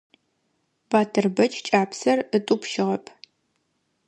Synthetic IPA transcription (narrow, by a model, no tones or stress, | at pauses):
b̥aːtʰɨrbɐt͡ʃʼt͡ʃʼaːpʰsɐrɨtʼupʃɪʁɐpʰ